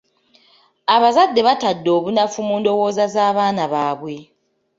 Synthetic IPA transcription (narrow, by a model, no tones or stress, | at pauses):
aβazadːe̞βatadːo̞ːβunafumundo̞wo̞ːzazaːβaːnaβaːβwe̞